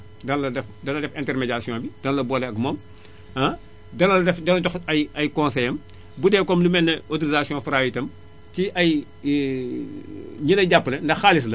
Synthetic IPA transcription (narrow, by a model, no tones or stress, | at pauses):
dɐnlɐdɛfdɐlːɐdɛfɛ̃ntɛrmeɟasijɔ̃ːbid̥ɐnɐlɐbɔːlɛɐkmɔːm | ɐ | dɐnɐlɐdɛfdɐnɐtɔxɐjɐjkɔ̃nsɛjɐm | budɛːkɔmlumɛnːɐotuɾizasiɔ̃fɾaːwitɐm | tiʔɐj | ɲilɐɟapːlɐndɐxalis̬lɐ